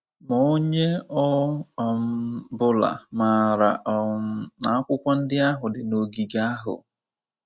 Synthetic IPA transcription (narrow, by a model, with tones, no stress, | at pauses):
mo˦ɲe˦ɔ˦˨mbʊ˦la̰˨ma˨ɾa̰˨na˨a˦kʷʊ˦kʷa˦n̩˦dɪ˦a˦ɦʊ˨dɪ˨no˨ɡi˨ɡa˦a˦ɦʊ̰˨